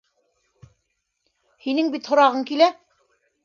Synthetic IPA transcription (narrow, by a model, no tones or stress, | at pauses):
hinɘŋbit̪hŏɾɑʁɤŋkilæ